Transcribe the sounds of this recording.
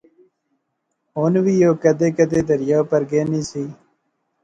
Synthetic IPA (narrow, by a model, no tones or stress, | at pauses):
ɦoːnʋiːjoːkəd̪eːkəd̪eːd̪əɾjaːpəɾɡeːniːsiː